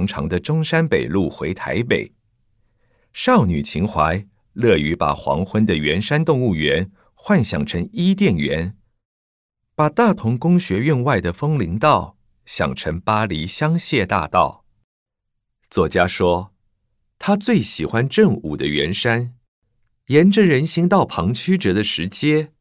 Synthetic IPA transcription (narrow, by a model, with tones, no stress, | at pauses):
ŋʈ͡ʂʰɑ̰˧˥ŋd̪ə˧ʈ͡ʂʊ˥ŋʂa˥npe˨˩ɪlu˥˩xwe˧˥ɪt̪ʰa̰˧˥ɪpḛ˨˩ɪ | ʂɑ˥˩ʊny̰˨˩t͡ɕʰi˧˥ŋxwa˧˥ɪ | lɤ˥˩y˧˥pa̰˨˩xwɑ̰˧˥ŋxwə˥nd̪ə˨ɥɛ˧˥nʂa˥nt̪ʊ˥˧ŋu˥˩ɥɛ˧˥n | xwa˥˩nɕjɑ̰˨˩ŋʈ͡ʂʰə˧˥ŋi˥t̪̬jɛ˥˩nɥɛ˧˥n | pa˨˩t̪a˥˩t̪ʰʊ˧˥ŋkʊ˥ŋɕɥɛ˧˥y˥˧nwa˥˩ɪd̪ə˩fɤ˥ŋli˧˥ŋt̪ɑ˥˩ʊ | ɕjɑ̰˨˩ŋʈ͡ʂʰɤ˧˥ŋpa˥li˧˥ɕjɑ˥ŋɕjɛ˥˧t̪a̰˥˧t̪ɑ̰˥˩ʊ | t͡swɔ˥˩t͡ɕja˥ʂwɔ˥ | t̪ʰa˥t͡swe˥˩ɪɕi˨˩xwa˥nʈ͡ʂɤ˥˧ŋṵ˨˩d̪ə˦ɥɛ˧˥nʂa˥n | jɛ˧˥nʈ͡ʂə˧ɻə˧˥nɕi˧˥ŋt̪ɑ˥˩ʊpʰɑ˧˥ŋt͡ɕʰy˥ʈ͡ʂɤ˨˩d̪ə˧ʂɻ̩˧˥t͡ɕjɛ˥